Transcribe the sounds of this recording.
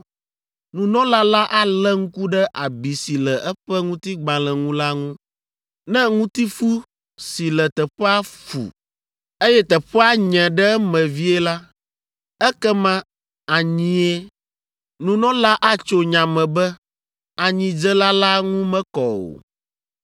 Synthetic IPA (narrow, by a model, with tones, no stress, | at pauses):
nũ˨nɔ̃˦la˦la˦ʔa˦lɛ˦ŋũ˦ku˦ɖɛ˦ʔa˨bi˨si˨lɛ˨ʔɛ˦ɸɛ˦ŋũ˦t̪i˦ɡ͡bã˨lɛ˨ŋũ˦la˦ŋũ˦ | nɛ̃˦ŋũ˦t̪i˦fu˦ | si˨lɛ˨t̪ɛ˨ɸɛ˦a˦fṵ˨ | e˦jɛ˦t̪ɛ˨ɸɛ˦a˦ɲɛ̃˨ɖɛ˦mɛ̃˨vi˦ɛ˦la˦ | ɛ˦kɛ˦mã˦ | a˨ɲĩ˨ɛ˦ | nũ˨nɔ̃˦la˦ʔa˦t͡ʃo˦ɲã˨mɛ̃˨bɛ˦ | a˨ɲĩ˨d͡ʒɛ˦la˦la˦ŋũ˦mɛ̃˦kɔ˨o̰˨